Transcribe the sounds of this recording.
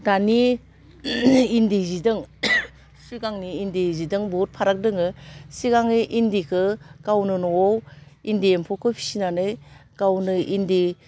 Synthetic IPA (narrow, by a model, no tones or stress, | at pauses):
dani | indizidɯŋ | siɡaŋniːndizidɯŋbɔt̚pʰaɾak̚dɯŋɯsiɡaŋniʔindikʰɯkawnɯnɔowindiempʰɔkʰɯpʰi̥sinanɯjkawnɯʔindi